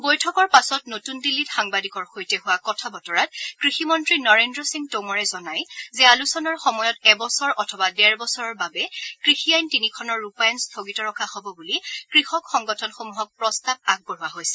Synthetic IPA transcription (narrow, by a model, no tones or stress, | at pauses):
bojtʰɔkɔɹpasɔtnotundilːitxaŋbadikɔɹxojtɛɦʊwakɔtʰabɔtɔɹat̚kɹiximɔntɹinɔɹendɹɔsiŋtomɔɹɛzɔnajzɛalusɔnaɹxɔmɔjɔtɛbɔsɔɹʔɔtʰɔbadɛɹbɔsɔɹɔɹbabɛkɹixiajntinikʰɔnɔɹːupajanstʰoɡitɔɹɔkʰaxɔbɔbulikɹixɔkxɔŋɡɔtʰɔnxomuɦɔk̚pɹɔstab̚aɡ̚bɔɹuwaɦojsɛ̥